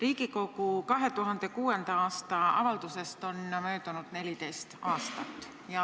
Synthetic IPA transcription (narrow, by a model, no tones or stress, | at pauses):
riːkiko̞kukɑɦe̞t̪uɦɑnd̪̥e̞kuːe̞nd̪̥ɑɑːst̪ɑɑ̰vɑlt̪use̞st̪o̞nmøːt̪unud̪̥ne̞lit̪e̞jst̪ɑːst̪ɑtt̪ːˑ | jɑ